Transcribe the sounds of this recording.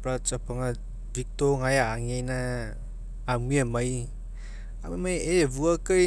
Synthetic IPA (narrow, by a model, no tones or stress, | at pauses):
pɾat͡ʃapʰaŋa | vik̚toŋajaːŋejna | amiamaj | a̰mmajebuakɯj